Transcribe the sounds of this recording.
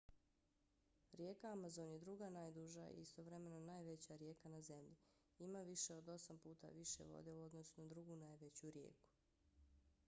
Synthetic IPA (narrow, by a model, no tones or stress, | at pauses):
ɾje̞ːkaamazo̞nje̞d̪ɾuɡanaːjd̪uʒa̰ḭist̪o̞ʋɾe̞me̞nonaːjʋe̞t͡ɕaɾje̞ːkanaze̞mʎi | imaːʋiʃeo̞d̪o̞sampuːt̪a̰ʋiʃḛʋo̰d̪e̞uo̞d̪no̞sunad̪ɾuɡuːnaːjʋe̞t͡ɕuɾjḛːku̥